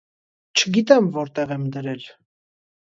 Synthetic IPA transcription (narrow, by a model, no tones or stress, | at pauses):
t͡ʃʰəɡit̪ɛmvɔɾt̪ɛʁɛmd̪əɾɛl